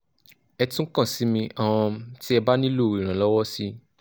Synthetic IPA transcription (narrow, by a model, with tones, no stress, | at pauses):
ɛ˧tũ˦kã˦˨si˨˦mĩ˧ʔã˦˧ɔ̃˧ti˦ɛ˧ba˦nĩ˦lo˦˨ɾi˨ɾ̃ã˨lɔ˦wɔ˦si˦